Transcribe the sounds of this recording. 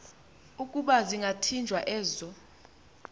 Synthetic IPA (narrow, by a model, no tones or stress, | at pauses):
ukʼuɓaziŋɡʱatʰind͡ʒʱwaʔɛːzɔ